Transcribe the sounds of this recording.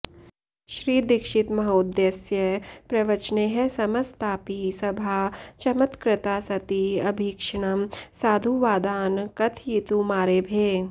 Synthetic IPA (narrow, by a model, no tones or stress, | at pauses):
ʃɾiːd̪ɪkʃɪt̪mɐɦoːd̪jɐsjəpɾɐʋɐt͡ʃneɦɛsɐmɐst̪aːpisɐbʱaːt͡ʃɐmət̪kɾɪt̪aːsɐt̪iɐbʱiːkʂɽ̃ɐmsaːd̪ʱuʋaːd̪aːnkɐt̪ʰjit̪umaːɾeːbʱeː